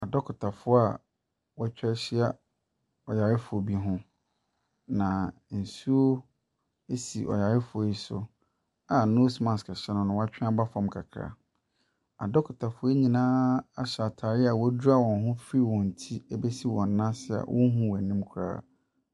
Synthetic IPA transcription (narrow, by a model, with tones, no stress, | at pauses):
a˨dɔ˦kʰʊ˨tʰa˨fʊ˦a˨ | wɛ˦t͡ɕᶣɛ˦ɕɪ˦a˦ | ɔ˨ja˨ɾɪ˦fʊ˨o˨bi˦ɦʊ̃˦ | nã˨n̩˨su˦o˦ | e˦si˨ʔɔ̰˨ja˨ɾɪ˦fʊ˨˦i˦sʊ˨ | a˨no˦smã˨skʰa˨ɕɛ˦nʊ̃˨nʊ̃˨˦wa˦t͡ɕᶣɪ̃˦a˦ba˦fɔ̃˨mkʰa˨kʰɾa̰˨ | a˨dɔ˦kʰʊ˨tʰa˨fʊ˦e˦ɲĩ˨nãː˦a˦ɕa˨tʰaː˨ɾɪ˦a˨wɔ˦du˦a˦˨wɔ̃˨nɦʊ̃˦fi˦wɔ̃˨n̩˨tʰi˦e˦be˦si˦wɔ̃˨n˨˦nã˦sɪ˦a̰˨wʔɔ̰̃˦n˦ɦũ˦wɛ˨nɪ̃˦m˦kʰʊ˨ɾa̰ː˦˨